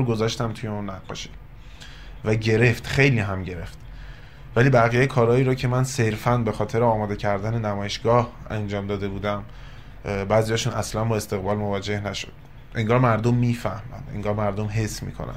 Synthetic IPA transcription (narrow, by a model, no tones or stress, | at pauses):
ɡo̞zɒːʃt̪æmt̪ʰujeunːæʁːɒ̰ːʃi̥ | væɟe̞ɾe̞ft̪χe̞jliːɦæmɟe̞ɾe̞ft̪ | væliːbæɣijekʰɒːɾɒːiːɾɒːcʰe̞mænse̞ɾfænbe̞xɒːt̪ʰe̞ɾeɒːmɒːd̪e̞cʰæɾd̪æne̞næmɒːjeʃɡɒːhæ̰nd͡ʒɒːmd̪ɒːd̪e̞buːd̪æm | bæːzijɒːʃuːnæslænbɒːe̞st̪e̞ɣbɒːlmovɒːd͡ʒe̞hnæʃod̪̥̚ | ʔe̞ŋɡɒːɾmæɾd̪omːiːfæhmæ̰nd̪e̞̰ŋɡɒːɾmæɾd̪omɦe̞sːmḭːkʰo̞̰nʔæ̰nd̪̥